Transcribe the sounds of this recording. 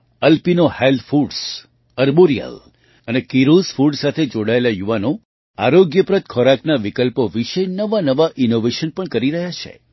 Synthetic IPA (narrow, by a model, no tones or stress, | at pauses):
əlpinohelfuɖs | əɾboɾijə̰l | ənekiɾozfuɖsat̪ʰed͡ʒoɽaelajuʋano | a̰ɾoɡjəpɾət̪̚kʰɔɾaknaʋikəlpoʋiʃənəʋanəʋaʔinoʋeʃənpəɳkəɾiɾəɦjat͡ʃʰḛ